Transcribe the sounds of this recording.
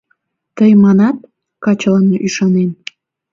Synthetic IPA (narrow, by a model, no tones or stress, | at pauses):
t̪əjmɑnɑt̪̚ | kɑt͡ɕəlɑnoʔyʃɑnen